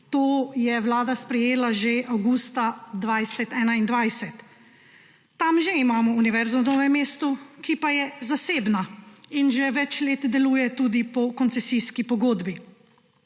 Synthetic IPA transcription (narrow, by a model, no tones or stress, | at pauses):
t̪oːjɛwlaːd̪aspɾɛjeːlaʒeʔawɡuːst̪ad̪ʋajsɛt̪ɛːnaind̪ʋajsɛt̪ | amʒeimaːmɔuniʋɛɾzɔd̪ɔʋɛmeːst̪ɔkipajɛzaseːbnainʒɛʋɛt͡ʃleːt̪d̪ɛluːjɛt̪uːd̪ipɔkɔnt̪sɛsiskipɔɡoːd̪bi